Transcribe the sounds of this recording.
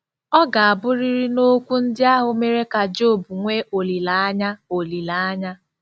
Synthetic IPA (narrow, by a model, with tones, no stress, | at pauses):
ɔ˦ɡa˨a˨bʊ˦ɾi˦ɾɪ˦no˦kʷu˦n̩˦dɪ˦a˦ɦʊ˨me˦ɾe˦ka˨d͡ʒo˦˨bu˨ŋʷe˦ʔo˨li˨la˨a˦ɲa˦o˨li˨la˨a˦ɲa˦